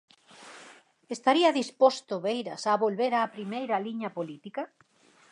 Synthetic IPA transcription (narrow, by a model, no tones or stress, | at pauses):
est̪aɾiɐðispost̪ʊβejɾɐsaβolβeɾaːpɾimejɾɐliɲɐpolit̪ikɐ